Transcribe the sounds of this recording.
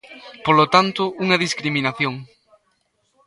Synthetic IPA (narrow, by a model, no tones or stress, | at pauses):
polot̪ant̪ʊuŋɐðiskɾimĩnaθjoŋ